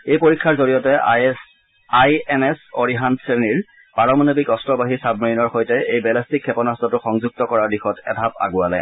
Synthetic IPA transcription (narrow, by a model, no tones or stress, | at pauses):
ejpoɹikʰːaɹzoɹijɔtɛ | ajɛnɛsoɹiɦantseniɹ | paɹɔmanobikɔstɹɔbaɦisab̚ʱmiɹinɔɹxojtɛʔejbɛlastikʰːɛpɔnastɔtʊxɔŋzuɡ̚tɔkɔɹaɹdixɔtɛ̰dʱap̚a̰ɡʊalɛ̰